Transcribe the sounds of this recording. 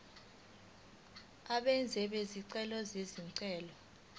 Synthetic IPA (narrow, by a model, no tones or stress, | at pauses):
aɓɛnd͡zʱɛɓeziǀɛlɔzeziŋǀɛːlɔ